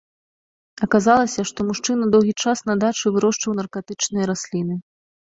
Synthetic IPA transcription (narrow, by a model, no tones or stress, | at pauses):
ɐkazalˠɐsʲɐʂt̪ɔmuʂt͡ʂɨnɐd̪ɔwɣʲit͡ʂasnɐd̪at͡ʂɨvɨɾɔʂt͡ʂɨwnɐrkat̪ɨt͡ʂnɨjɐɾasʲlʲinɨ